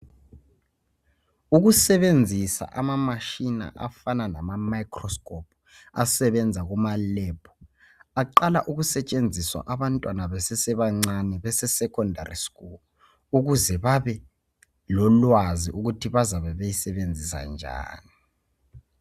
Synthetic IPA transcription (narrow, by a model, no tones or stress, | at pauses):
uɣusɛβend͡zʱisa̰ʔamamaʃina̰ʔa̰fananamamajkʰrɔskʰʼɔpʰ | a̰sɛβɛnd͡zʱaɣumalɛpʰɔ̥ | aǃalaʔuɣusɛt͡ʃʼend͡zʱiswa̰ʔaβantʼwanaβɛsɛsɛβaŋ͡ǀanɛβɛsɛsɛkʰɔndʱa̰rḭskʼulu | uɣuzɛβaβɛ | lɔlwaziʔuɣutʰiβazaβɛβejisɛβend͡zʱisa̰nd͡ʒʱa̰ːni